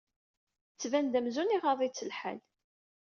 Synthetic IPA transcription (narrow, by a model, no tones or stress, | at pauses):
t͡sːvænd̪æmzuniʁɑðˤit͡sːəlħə̰n